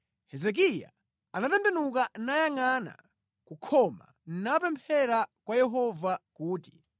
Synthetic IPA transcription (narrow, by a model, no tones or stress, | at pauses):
hɛzɛk̬ija̰ | anatɛmbɛnukanajaŋana̰ | kukʰɔma̰ | n̩napɛmpʰɛɾakwajɛɦɔvakuːti̥